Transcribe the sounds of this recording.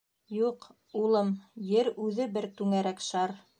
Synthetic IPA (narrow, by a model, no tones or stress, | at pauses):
juq | ulˠɤmjɘɾʉðɘbɘɾt̪ʉŋæɾækʃɑɾ